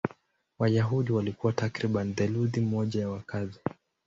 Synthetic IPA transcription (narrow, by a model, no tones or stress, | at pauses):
wajaɦuɗiwalikuwatakɾiɓaniðɛluðim̩ɔʄajawakazi